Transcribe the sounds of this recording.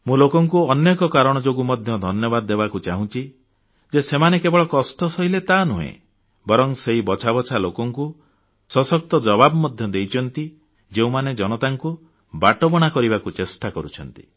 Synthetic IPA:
mũlokɔŋkuɔnːekɔkaɾɔɽ̃ɔd͡ʒoɡumɔd̪ʱjɔd̪ʱɔnjɔbad̪ɔːebakut͡ʃaɦũt͡ʃʰi | d͡ʒesemanekebɔɭɔkɔsʈɔsɔɦilet̪anuɦḛ̃ | bɔɾɔŋseɦibɔt͡ʃʰabɔt͡ʃʰalokɔŋku | sɔsɔk̚t̪ɔd͡ʒɔbabɔmɔd̪ʱjɔd̪ejt͡ʃʰɔnt̪i | d͡ʒeũmaned͡ʒɔñɔt̪aŋku | baʈɔbɔɽ̃akɔɾibakut͡ʃesʈakɔɾut͡ʃʰɔnt̪i̥̰

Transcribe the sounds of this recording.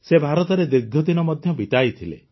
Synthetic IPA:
sebʱaɾɔt̪ɔɾed̪iɾɡʱjɔd̪inɔmɔd̪ʱjɔbit̪ajt̪ʰilḛ

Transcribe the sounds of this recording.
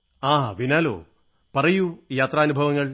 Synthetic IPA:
aːɦaʋinaːlo̰ː | pɐrɐjujaːt̪rɐːnubʱɐʋɐŋːɐɭ

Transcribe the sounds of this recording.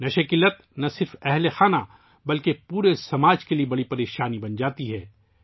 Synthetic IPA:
nɐʃɐkɪlət̪nɐsɪɾfɛɦlexaːna | bɐlkepuːɾesɐmaːd͡ʒkeliebɐɽipɐɾeːʃaːnibɐnd͡ʒaːt̪iɦɛː

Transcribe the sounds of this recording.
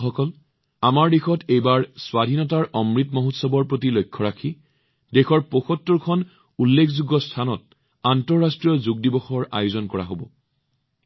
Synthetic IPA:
xɔkɔl | amaɹdixɔtejbaɹswadʱinɔtaɹʔɔmɹitmɔɦutsɔbɔɹpɹotilojkʰːɔɹakʰi | dexɔɹpoxɔtːɔɹkʰɔn | ulːekʰzuɡɔstʰanɔt̚ | antɔɹːastɹijɔzuɡ̚dibɔxɔɹa̰juzɔnkɔɹa̰ɦobɔ̰

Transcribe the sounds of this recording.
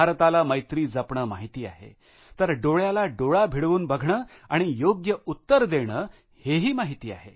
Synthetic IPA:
aɾt̪alaməjt̪ɾiːd͡zəpɳəːmaɦit̪iːa̰ɦḛ | t̪əɾɖoɭjalaɖoɭabʱiɽʋuːnbəɡʱɳəː | aɽ̃ijoɡjəut̪ːəɾd̪eɽ̃əː | heɦiːmaɦit̪iːa̰ɦḛ

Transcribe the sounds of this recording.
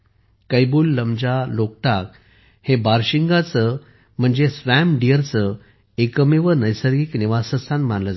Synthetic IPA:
kəjbuːlːəmd͡ʑalok̚ʈ̪ak̚ | hebaɾɕiŋɡat͡sə | m̤əɳd͡zesʋæmɖijəɾt͡sə | ekəmeʋənəjsəɾɡiːkniʋasəst̪ʰanmanləd͡z

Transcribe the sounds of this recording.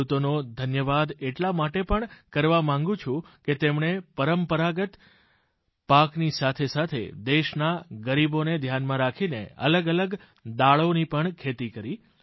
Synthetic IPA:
ut̪onod̪ʱənjəʋad̪eʈlamaʈepəɳkəɾʋamãŋɡũt͡ʃʰũket̪emɳepəɾəmpəɾaɡət̪ | paknisat̪ʰesat̪ʰḛd̪eʃnaɡəɾiboned̪ʱjanmãɾakʰineə̰ləɡələɡ | d̪aɭonipəɳkʰet̪ikəɾi

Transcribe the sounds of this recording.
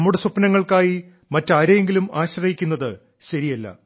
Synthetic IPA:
mːuɽesupnɐŋːɐɭkaːji | mɐtːaːɾeŋɡilumaːɕrɐɦikʲːunːɐðɨ | ɕɐɾijɐlːɐ̰

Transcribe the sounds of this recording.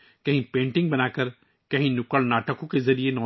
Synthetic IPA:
kɐɦĩpẽːɳʈɪ̃ŋɡ̚bɐnaːkɐɾ | kɐɦĩnʊkəɭnaːʈəkõkezɐɾienɔː

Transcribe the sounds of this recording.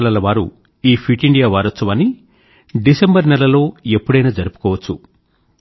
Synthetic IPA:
lɐlɐʋaːɾṵ | iːpʰiʈiɳɖijaːʋaːɾɐt͡ʃːuʋɐni | ɖisembɐɾnɛlɐlo̞ːe̞pːuɽɐjnɐd͡ʒɐɾupu̥kɔːʋɐt͡ʃːu

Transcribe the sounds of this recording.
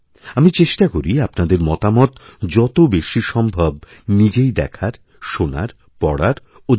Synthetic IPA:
amit͡ɕeʃʈakoɾiapnad̪eɾmɔt̪amɔt̪d͡ʑɔt̪obeʃiʃɔmbʱab | nid͡ʑejd̪ɛkʰaɾ | ʃona̰ɾ | pɔɽaɾ | o

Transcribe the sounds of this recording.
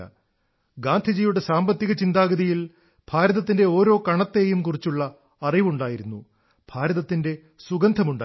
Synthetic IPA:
ɐ̰ | ɡaːnd̪ʱid͡ʑijuɽe̞saːmbɐt̪ːiɣɐt͡ɕind̪aːɡɐðijil | b̥ʱaːɾɐðɐt̪ːinde̞o̞ːɾo̞ːkɐɳɐt̪ːe̞ːjumkurit͡ɕːuɭːɐː | riʋuɳɖaːjiɾunːṵ | b̥ʱaːɾɐðɐt̪ːinde̞ | suɡɐnd̪ʱɐmuɳɖaː

